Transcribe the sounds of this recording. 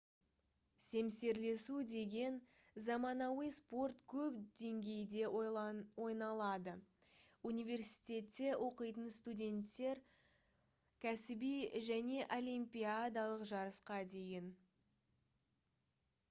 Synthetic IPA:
se̞mse̞ɾle̞sud̪e̞ɡʲe̞n | zɑmɑnɑwəjspo̞rt̪kʲʰɵpd̪̥e̞ŋɡʲe̞jd̪e̞wo̞jnɑlˠɑd̪əunijvʲe̞rsi̥jt̪ʲe̞t̪ːe̞wʔo̞qəjt̪ənst̪udʲe̞nt̪ːe̞ɾ | kʲʰæsɪbijʒæne̞ʔo̞lʲijmpʲijad̪ɑlˠəqʒɑɾəsqɑd̪e̞jɪn

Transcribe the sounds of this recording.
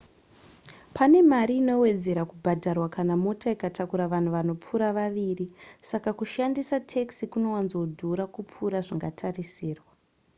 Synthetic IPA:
pane̞maɾiːno̞we̞d͡ze̞ɾakubʱadʱarwakanamotaikatʰakuɾaʋan̤uʋano̞p͡fuɾaʋaʋiːrisakakuʃandisatʰeksikuno̞wanzodʱuɾakup͡fuɾaʐiŋɡatʰarisiːrwa

